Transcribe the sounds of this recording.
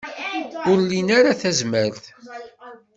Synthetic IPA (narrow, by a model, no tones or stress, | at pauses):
ʊɾlinaɾaθæzməɾθ